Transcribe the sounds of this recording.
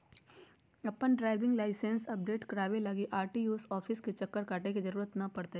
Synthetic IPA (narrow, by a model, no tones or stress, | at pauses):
ɐpːənɖɾaːɪʋɪ̃ŋɡlaːɪsẽnsɐp̚ɖeːʈkɐɾaːʋelɐɡiʔaːɾʈijuːsɔːfʰɪsket͡ʃɐkːəɾkaːʈekizɐɾuːɾət̪nɐpɐɽt̪e